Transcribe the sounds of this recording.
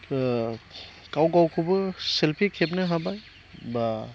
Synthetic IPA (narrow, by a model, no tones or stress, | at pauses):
kawɡawkʰɯbɯselpʰikʰep̚nɯɦabaj | ba